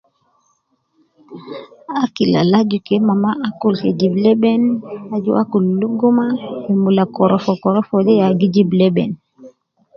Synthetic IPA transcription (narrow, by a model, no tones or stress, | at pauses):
akila̰lad͡ʒukɛmamaʔakulkɛd͡ʒiblɛɓɛnad͡ʒuʔa̰kulːuɡumahɛmulakɔɾɔfɔkɔɾɔfɔɗɛjaɡid͡ʒiblɛɓɛ̰n